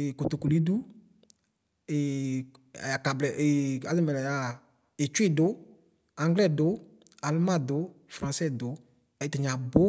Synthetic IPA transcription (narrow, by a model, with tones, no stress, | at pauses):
ko˨to˨ku˨li˦du˦˨ | a˨ka˨blɛ˨ʔa˨zɪ˦mɛ˨lɛ˨ja˨ | ɪ˨t͡ʃwɪ˦dʊ˦ | ã˨ŋɡlɛ˦˨dʊ˨˦ | a˨lmã˦˨dʊ˨˦fɾã˨sɛ˦dʊ˨˦ | ɛ˨tɪ˨ɲa˨bo˦